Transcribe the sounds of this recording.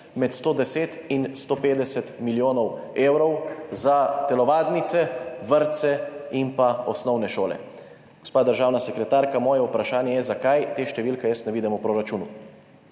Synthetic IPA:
mɛt̪st̪oːd̪ɛseːt̪inst̪oːpeːd̪ɛsɛt̪miljoːnɔweːwɾɔwzat̪ɛlɔʋaːd̪nit̪sɛʋəɾt̪sɛimpaɔsnɔwnɛʃoːlɛ̰ | ɡ̥ospaːd̪əɾʒaːwnasɛkɾɛt̪aːɾkamɔːjɛupɾaʃaːnjɛjɛzakajt̪eːʃt̪ɛʋiːlkɛjəsnɛʋiːd̪ɛmupɾoːɾat͡ʃuːnu

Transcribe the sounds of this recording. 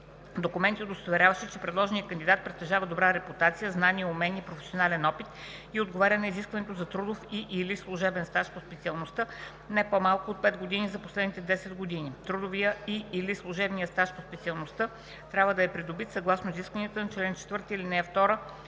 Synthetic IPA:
d̪okʊmɛnt̪ʲiod̪ost̪ovɛɾʲavəʃɛt͡ʃɛpɾɛd̪lˠɔʒɛnijəkənd̪id̪at̪̚pɾɛt̪t̪ːɛʒavɐd̪obɾaɾɛput̪at̪sijəznaniomɛnːpɾofɛ̥sionalɛnɔpit̪ | iod̪ɡovaɾʲənɐiziskvɐnɛt̪ozɐt̪ɾud̪ofiʔilislˠʊʒɛbɛnst̪aʃpospɛt̪siəlˠnost̪ə | nɛpomalˠkʊot̪̚pɛd̪ɡod̪inizɐposlɛd̪nit̪ɛd̪ɛsɛd̪ɡod̪init̪ɾud̪ovijəiːlislˠʊʒɛbnijəst̪aʃpospɛt̪siɐlˠnost̪ə | t̪ɾʲabvəd̪ɐɛpɾid̪obit̪sɐɡlˠasnoiziskvɐnijət̪ənɐt͡ʃlɛnt͡ʃɛ̥t̪vɤɾt̪iilinɛɛft̪ɔɾə

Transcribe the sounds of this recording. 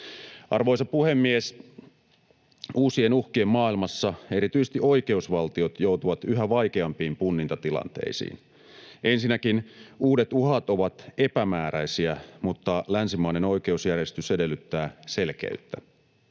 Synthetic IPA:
ʔɑ̰rʋo̞jsɑpuhe̞mːies | uːsienuhkiemmɑːilmɑsːɑe̞ɾit̪yjsest̪iʔo̞jke̞usʋɑlt̪io̞t̪jo̞ut̪uʋɑt̪yɦæʋɑjk̟e̞ɑmpiːmpunːint̪ɑt̪ilɑ̰nt̪ḛisḭːn | ʔe̞nsinːækinuːde̞t̪uɦɑt̪o̞ʋɑt̪e̞pæmæːɾæisiæmut̪ːɑlænsimɑineno̞jk̟e̞usjærjest̪yse̞de̞lːyt̪ːæːse̞lkḛyt̪ːæ

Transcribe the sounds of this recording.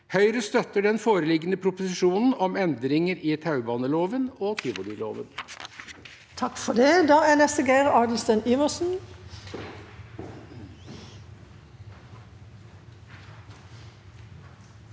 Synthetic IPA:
hœʏɾəst̪œt̪əɖɛnfoːɾəlɪɡənəpʰɾʊpʊsɪʂuːnn̩ɔmɛnd̪ɾɪŋəɾɪt̪ʰɑʉbɑːnəloːʋənɔːt̪ʰɪːʋʊd̪ʏlo̰ːʋə̰n | t̪ʰɑkfɔd̪ed̪ɑːæːnɛst̪əɡæɪʁɑːd̪əl̩st̪ənyːʋəsn̩

